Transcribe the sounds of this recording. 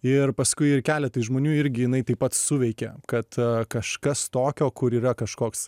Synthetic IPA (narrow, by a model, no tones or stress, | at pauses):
ɪrpɐskʊɪɪrkʲæːlʲɛt̪ɐɪʒmoːnʲuːɪɾʲɡʲɪjɪnɐɪt̪ɐɪpɐt̪sʊʋʲɛɪkʲɛkɐt̪kɐʃkɐst̪oːkʲoːkʊɾiːɾɐkɐʃkoːks